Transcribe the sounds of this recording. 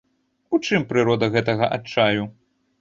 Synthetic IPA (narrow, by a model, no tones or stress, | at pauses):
ut͡ʂɨmpɾɨɾɔd̪ɐɣɛt̪ɐɣɐʔat͡ʂaju